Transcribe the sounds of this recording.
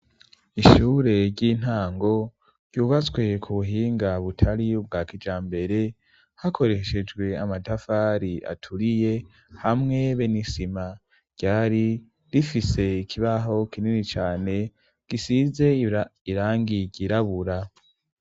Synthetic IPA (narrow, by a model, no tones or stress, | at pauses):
iʃuːɾe̞ɾɟiːn̥haːŋɡo̞ | ɾjuːβat͡swe̞kʰuβuɦiːŋɡaβutʰaɾibɡaːkid͡ʒaːmbe̞ɾe̞ | hakʰo̞ɾe̞ʃe̞d͡ʒɡwe̞amatafaːɾiʔa̰tʰuɾije̞ | hamŋe̞βenisima | ɟ̥aːɾi | ɾifise̞ikʰiβaɦo̞kininit͡ʃaːne̞ | ɡ̥isize̞iɾaːŋɡiɟiɾaβuɾa